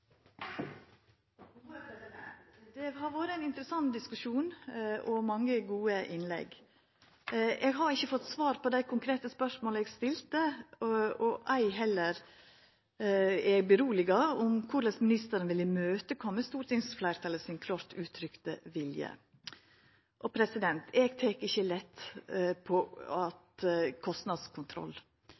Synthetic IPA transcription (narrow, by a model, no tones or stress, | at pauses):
d̪̥ɛhɑɾʋoːɾəæɪnɪnt̪əɾəsɑnt̪d̪ɪskʉʃuːnʔɔmɑŋːəɡuːəʔɪnlɛ̰ɡ | eːɡɦɑɾɪçːəfɔt̪ːsʋɑːɾpʰɔd̪æɪkʰʊŋkʰɾeːt̪əspœʂmoːlɛːɡst̪ɪlt̪ə | ɔʔæɪɦɛlːəɾ | ɛɡbəɾuːlɪɡɑʊmkʰʊɾləsmɪnɪst̪əɾənʋɪləmøːt̪əkʰɔmmːəst̪uːɾʈ̪ɪŋsflæɪɾt̪ʰɑləsɪnkʰlɑːɾt̪ʉːt̪ʰɾʏkt̪əʋɪljə̰ | ʔɔpʰɾɛsɪd̪ɛnt̪ʰɛɡt̪ʰɛkɪçːəlɛt̪ːpʰɔɑt̪kʰɔst̪nɑd̪skʰʊnt̪ʰɾɔ̰lː